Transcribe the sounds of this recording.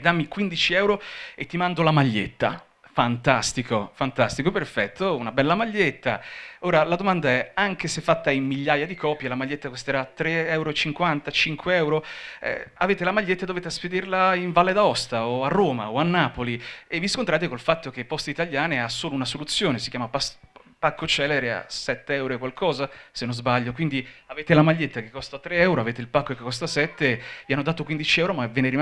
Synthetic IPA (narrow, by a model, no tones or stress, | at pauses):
d̪amːikwind̪it͡ʃiɛwɾoet̪ːimand̪olamaʎːḛt̪ːa̰ | fant̪ast̪ikofant̪ast̪ikoperfɛt̪ʰːounabɛlːamaʎːet̪ːa̰oːɾalad̪omand̪aɛaŋk̟esefːat̪ːaimmiʎːaːjad̪ikɔːpjelamaʎːet̪ːakost̪eɾat̪ːɾeɛwɾot͡ʃiŋkwant̪at͡ʃiŋkweɛwɾoɛ̰aveːt̪elamaʎːet̪ːad̪oveːt̪easped̪irlaiɱvalːed̪aɔst̪aoarːoːma̰oanːaːpolievːiskont̪ɾaːt̪̬ekolfat̪ːok̟epːɔst̪eit̪aljaːneasːoːlounasolut̪sːjoːnesikjaːmapas | pakːot͡ʃɛːleɾea̰sɛt̪ːeɛwɾoekwalkʰɔːzasenːozbaʎːokwind̪iaveːt̪elamaʎːet̪ːakekːɔst̪at̪ːɾeɛwɾoaveːt̪̬eilpakːoekekːɔst̪asɛt̪ːevianːod̪aːt̪okwind̪it͡ʃiɛwɾomaɛvːɛːneɾi